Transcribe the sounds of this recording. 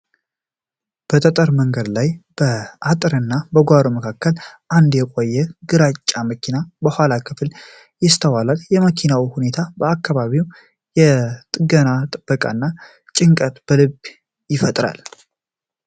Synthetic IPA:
b̥ət̪ʰət̪ʼəɾməŋɡəd̪lajb̥əat̪ʼɨɾɨnːabəɡʷaɾoməkʰakʰːəlʔand̪jɛkʼojːɛɡɨɾat͡ʃʼːaməkʰinabəhʷalakʰɨfl | jɪst̪ʰəwalaljɛməkʰinawihune̞t̪ʰabəakːaβaβiw | jɛt̪ʼɨɡənat̪ʼɨb̥ːəkʼa̰nːa | t͡ʃʼɪŋkʼət̪b̥əlɨb | jɪfət̪ʼɾa̰l

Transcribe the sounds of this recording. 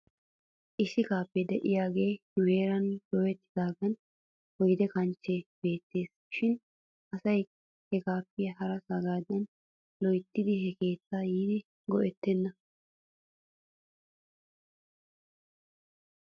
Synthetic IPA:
ʔɪʃɪkaːpːɛd̪ɛʔɪjaːɡe̞ːnʊwe̞ːɾɐnd̪ɔwɛt̪ːɪd̪aːɡɐn | wɔjd̪ɛkɐnt͡ʃːɛb̥e̞ːt̪ːe̞ːs | ʃɪn | ʔɐsɐj | hɛkaːpːɪjɐɦɐɾɐsaɡaːd̪ɐn | lɔjt̪ːɪd̪ɪhɛke̞ːt̪t͡sːaːjiːd̪ɪ | ɡɔʔɛt̪ːɛnːɐ

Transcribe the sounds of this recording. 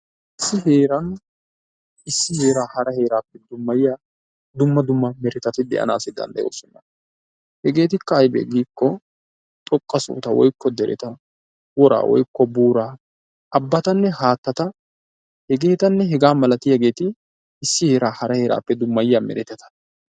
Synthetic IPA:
ʔɪsːɪɦe̞ːɾɐn | ʔɪsːɪhe̞ːɾaːhɐɾɐhe̞ːɾaːpːɛd̪ʊmːɐjɪjaː | d̪ʊmːɐd̪ʊmːɐmɛɾɛt̪ɐt̪ɪd̪ɛʔɐ̰na̰ːsɪd̪ɐ̰nd̪ɐjo̰ːsɔnːɐ | hɛɡe̞ːt̪ɪkːɐːjbɛ̰ɡiːkːɔ | t̪ʼɔkʼːɐsṵːt̪ɐwɔ̰jkːɔd̪ɛɾʔɛ̰t̪ɐ | wɔɾa̰ːwʔɔ̰jkːɔbuːɾaː | ʔɐbːɐt̪ɐnːɛhaːt̪ːɐt̪ɐ | hɛɡe̞ːt̪ɐnːɛɦɛɡaːmɐlɐt̪ɪjɐɡe̞ːt̪ɪ | ɪsːɪhe̞ːɾaːhɐɾɐhe̞ːɾa̰ːpːɛd̪ʊmːɐjɪjaːmɛ̰ɾɛt̪ːɐt̪ɐ̥

